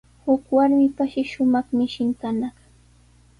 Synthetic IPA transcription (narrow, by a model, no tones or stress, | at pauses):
hʊkwaɾmɪpaʃɪʃʊmɑχmɪʃɪŋkanaχ